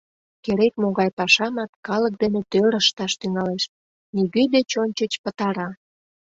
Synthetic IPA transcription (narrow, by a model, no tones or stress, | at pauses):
keɾekmoɣɑjpɑʃɑmɑt̪kɑlək̚d̪enet̪øɾəʃt̪ɑʃt̪yŋɑleʃ | niɣøjd̪et͡ɕonʲt͡ɕət͡ɕpət̪ɑɾɑ